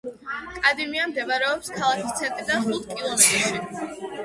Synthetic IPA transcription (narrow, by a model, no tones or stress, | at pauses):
kʼad̪imiamd̪ɛvaɾɛɔpskʰalˠakʰist̪sʰɛt̪ʼid̪aχut̪ʰkʼilˠɔmɛt̪ʼɾʃi